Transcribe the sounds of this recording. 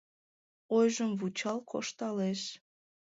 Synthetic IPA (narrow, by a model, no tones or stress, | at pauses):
ojʒəmvut͡ɕɑlkʰo̰ʃt̪ɑleʃ